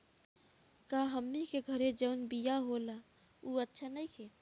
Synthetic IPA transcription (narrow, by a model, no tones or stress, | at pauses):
kaɦəmnikeɡʱəɾed͡ʒəʊnbijaɦola | uətːʃʰanəikʰe